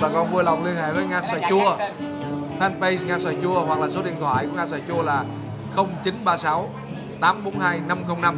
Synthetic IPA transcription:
aː˨˩kɔ˨˧˩nɓu˧ələ˨˩wŋ͡mli˧ənha̰ː˧˨jvəː˨˦jŋaː˧sa̰˧˩t͡ɕu˧ə | fɛ˧npə˧jŋaː˧swa̰ː˧˩jt͡ɕu˧əhwa˨˩k̚laː˨˩so˨˦ɗḭ˧˨ənt̪ʰwa̰ː˧˨jku˧˩əŋaː˧s̬aː˧˩jt͡ɕu˧əlaː˨˩ | xə˧wŋ͡mt͡ɕi˨˦nɓaː˧sa˨˦w | t̪aː˨˦mɓo˨˦nhaː˧jna˧mxə˧wŋ͡mna˧m

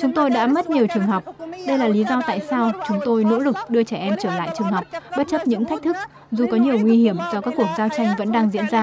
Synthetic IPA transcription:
t͡ɕʊ˨˦ŋ͡mt̪o˧jɗa̰ː˧˥mə˦˥t̚ɲi˨˩əwt͡ɕɨ˨˩əŋɦə˨˩wk͡p̚ɗə˧jlaː˨˩li˨˦zɔ˧t̪a̰ː˧˨jsaː˧wt͡ɕʊ˨˦ŋ͡mt̪o˧jno̰˧˥lɨ˨˩k̚ɗɨ˧ət͡ɕɛ˧˩ʔɛ˧mt͡ɕəː˧˩la̰ː˧˨jt͡ɕɨ˨˩əŋhə˨˩wk͡p̚ɓə˦˥t̚t͡ɕə˦˥p̚ɲɨ̰˧˥ŋt̪ʰa˦˥k̟̚t̪ʰɨ˦˥k̚ | zu˨˩kɔ˨˦ɲi˨˩əwŋwi˧hi˧˩əmt͡ɕɔ˧kaː˦˥kːwu˧˩ək̚zaː˧wt͡ɕa˧jŋ̟və̰˧˥nɗaː˧ŋzḭ˧˥ənzaː˧

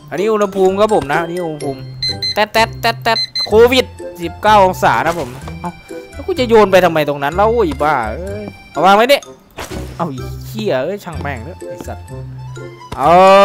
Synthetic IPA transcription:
ʔa˨˧nːiː˦˥ʔu˧nha˧pʰuː˧mkʰa˦˥p̚ʰo˨˩˦mna˧˦˥ʔa˧niː˦˥ʔu˧ha˧pʰuː˧mt̪ɛ˧˩t̪ɛ˧˩t̪ːɛ˧˥t̪ːɛ˧˩t̪̚kʰoː˧wi˨˩t̪̚si˨˩p̚kaː˥˩wʔo˧ŋsa̰ː˩˦t̪ʰa˦˥pʰo˨˩˦mna˧˥ʔa˧˩wlɛː˦˥˩kʰu˧˥˩t͡ɕa˨˧˨joː˧npa˧jt̪ʰa˧ma˧jt̪o˧ŋna˦˥nla˧˨wʔuː˧˩i˨˩baː˧˩ɤː˧˥j | ʔa˨˧˩waː˧ŋma˦˥ni˧˥˨ | ʔa˧˩wʔi˨˧˩kʰi˧˩ɐʔɤː˧˥˨jt͡ɕʰa˧˩ŋmɛː˧˩ŋlɯ˦˥ɐ˨a˧˩sa˨˧˩t̪̚ʔa˧

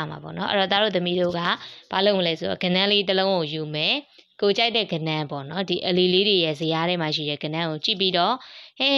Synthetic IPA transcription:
ma̰˨pɔ̰˦˨nɔ̰˦ʔə̰˦ɔ˨t̪a˦˨ɾo̰˦˨t̪ə˨mi˦ɾo̰˦˨ɡa̰˦˨b̥a˨lo˦ʊ˨məlɛ˦so˨ɾɔ̰˨ɡə˨nã˦le˦t̪əlõ˦ʊ̃ŋo˨ju˨mɛ˨ko˨t͡ɕa˦ɪt̪ɛ˦˨ɡə˨nã˦pɔ̰˦˨nɔ˦di˨ʔəli˨le˦de˨jɛ˦˨zə˨ja˦ɾɛ˦ma˨ʃḭ˦˨ɾɛ̰˦˨ɡə˨nã˦ŋo˨t͡ɕḭ˦˨pːi˦ɾɔ˦˨hẽ˦˨

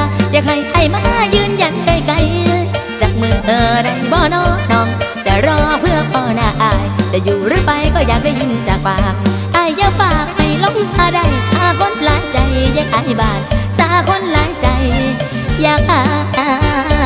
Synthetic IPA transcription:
jaː˧k̚ha˧˩jʔa˧˩jmaː˧˥jɯː˧nja˨˦˥nka˧˩jka˧˩j | t͡ɕaː˨˩k̚mɯ˧ŋʔɤː˧˩da˧˩jbɔː˧˩nɔː˧˥˦nɔː˧˩ŋt͡ɕa˨˧˩ɾɔː˧˩pʰɯ˧˩ək̚p̪ɔː˧˩naː˧˩ʔaː˧˩jjt͡ɕa˨˩juː˨˩ɾɯ˧˥˩pa˧jkɔː˧˩jaː˨˩k̚da˧˩jɲi˧˥˨nt͡ɕaː˨˩k̚baː˧˩k̚ | ʔaː˧˩jːaː˧˩faː˧˩k̚ha˧˩jlɔ˧˥k̚wi˧˩saː˧da˧˩jsaː˨˧˦kʰo˧˥nlaː˨˦jt͡ɕa˧jjaː˧˩k̚ha˧˩jbaː˧˩nsaː˨˧˦kʰo˧˥˨nlaː˨˦jt͡ɕa˧j | jaː˨˩k̚ʔaː˧˩˧ʔaː˧˩

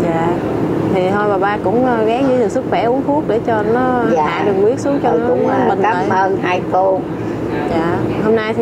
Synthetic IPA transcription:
zaː˧˨ | t̪ʰi˨˩ɦɔ˧jɓaː˨˩ɓaː˧kʊ̰˧˥ŋ͡mɣaː˨˦ŋɲɨ˧˦t̪ɨ˨˩swɨ˦˥k̚xwɛ˧˩ʔu˨˦əŋkxʰu˦˥ək̚ɗe˧˩t͡ɕɔ˧nɔ˨˦˧ha̰ː˧˨ɗɨ˨˩ək̚wi˦˥ət̚su˨˦əŋt͡ɕɔ˧n˦˨˦mï˨˩ŋa˨˧əː˨˩jə˧˩naː˧jt̪u˧ | zaː˧˨ho˧mnaː˧jt̪ʰi˨

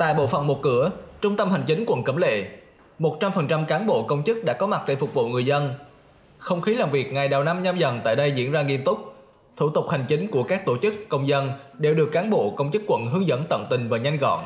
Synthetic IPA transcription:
t̪a̰ː˧˨jɓo̰˧˨fə̰˧˩wŋ͡mmo˨˩t̚kɨ˧˩ət͡ɕʊ˧ŋ͡mt̪ə˧mha˨˩jŋ̟t͡ɕï˨˦ŋ̟kwə̰˧˨nkə˧˩mlḛ˧˨ | mo˨˩t̚t͡ɕa˧mfə˨˩nt͡ɕa˧mkaː˨˦nɓo̰˧˨kə˧wŋ͡mt͡ɕɨ˦˥k̚ɗa̰ː˧˥kɔ˨˦ma˨˩ɗe˧˩fʊ˨˩k͡p̚vṵ˧˨ŋɨ˨˩əjzə˧n | xə˧wŋ͡mxi˨˦laː˨˩mvi˨˩ək̚ŋa˨˩jɗa˨˩wna˧mɲa˧mzə˨˩nt̪a̰ː˧˨jɗə˧jzḭ˧˥ənzaː˧ŋi˧əmt̪ʊ˦˥k͡p̚ | t̪ʰu˧˩t̪ʊ˨˩k͡p̚ha˨˩jŋ̟t͡ɕï˨˦ŋ̟ku˧˩əkaː˦˥k̚t̪o˧˩t͡ɕɨ˦˥kːə˧wŋ͡mzə˧nɗe˨˩wɗɨ˨˩əkːaː˨˦nɓo̰˧˨kə˧wŋ͡mt͡ɕɨ˦˥kːwə̰˧˨nɦɨ˨˦əŋzə̰˧˥nt̪ə̰˧˨wŋ͡mt̪ï˨˩ŋ̟vaː˨˩ɲa˧jŋ̟ɣɔ̰˧˨n

